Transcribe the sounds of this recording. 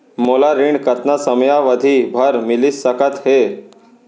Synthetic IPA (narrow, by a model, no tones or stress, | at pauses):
molaɾiɳɖkət̪nasəmjaʋəd̪ʱibʱəɾmilisəkət̪he